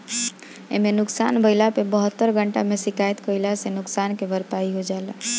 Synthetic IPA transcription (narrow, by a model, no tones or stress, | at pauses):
ḛmenuksanbəɪlapebəɦət̪ːəɾɡʱəɳʈa̰mesikajt̪kəilasenʊksankebəɾpaiɦod͡ʒaela